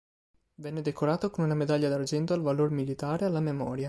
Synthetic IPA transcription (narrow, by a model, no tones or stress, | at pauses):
vɛnːed̪ekoɾaːt̪okonunamed̪aʎːad̪ard͡ʒɛnt̪oalvalormilit̪aːɾealːamemɔːɾja